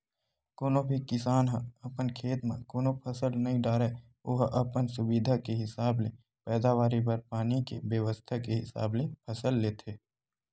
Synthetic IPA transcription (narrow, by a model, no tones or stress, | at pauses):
koːnõbʱikɪsaːnɦə̃ɐpənkʰeːt̪mḛ̃koːnõpʰəsəlnɐɦĩɖaːɾeː | oɦʔɐpənsʊbid̪ʱakeɦɪsaːble | pɛːd̪aʋaːɾipɐɾpaːnikebjəʋəst̪ʰakeɦɪsa̰ːblepʰəsəlːeːt̪ʰeː